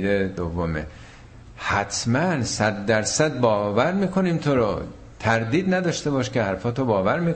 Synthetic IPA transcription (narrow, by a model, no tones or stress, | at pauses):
d̪ed̪ovːomḛ | hæt̪ʰmænsæd̪ːæɾsæd̪̚bɒːvæɾmiːkʰo̞niːmt̪ʰoɾɔ | t̪ʰæɾd̪iːd̪næd̪ɒːʃt̪e̞bɒːʃkcʰehæɾfɒːt̪ʰobɒːvæɾmiːk